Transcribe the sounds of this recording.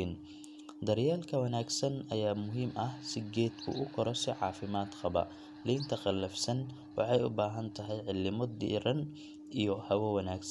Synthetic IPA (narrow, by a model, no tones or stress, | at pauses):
n | d̪ɐrjaːlkʰɐwɐnaːɡsɐnɐjaːmʊɦiːmʔɐhsɪɡɛːd̪kʰṵʔʊkʰɔɾɔsɪʕɑ̰ːfɪmaːd̪qɑbɐ̰ | liːnt̪ʰɐqɑlːɐfsɐn | wɑ̰ħɑjʊ̰baːɦɐnt̪ʰɐɦɛjʕɪlːɪmɔd̪ḭːɾɐn | ʔijɔhɐwɐwɐnaːɡs